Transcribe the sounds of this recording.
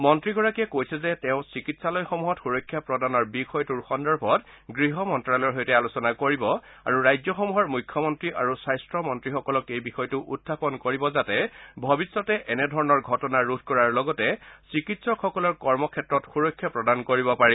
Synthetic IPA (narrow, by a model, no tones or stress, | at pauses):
mɔntɹiɡɔɹakiɛkojsɛzɛtɛʊ̃sikitsalɔjxɔmuɦɔtxuɹɔkʰjapɹɔdanɔɹbixɔjtuɹxɔndɔɹbʱɔt | ɡɹiɦɔmɔntɹalɔɹɦɔjtɛalusɔnakoɹibɔ | a̰ɹuɹajzjɔxɔmuɦɔɹmujkʰːjɔmɔntɹiʔaɹusajstɹɔmɔntɹixɔkɔlɔkejbixɔjtuʔudʱʰapɔnkoɹibɔzatɛbʱɔbisːɔtɛʔɛnɛdʱɔɹɔnɔɹɡʱɔtɔnaɹudʱkɔɹaɹlɔɡɔtɛsikitsɔxɔkɔlɔɹkɔɹmɔkʰɛtɹɔtxuɹɔkʰːjapɹɔdankoɹibɔpaɹi